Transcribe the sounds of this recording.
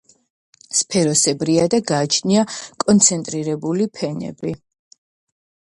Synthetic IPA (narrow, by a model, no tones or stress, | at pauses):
spʰɛɾɔsɛbɾiad̪aɡaːt͡ʃʰniakʼɔnt̪sʰɛnt̪ʼɾiɾɛbulipʰɛnɛ̰bi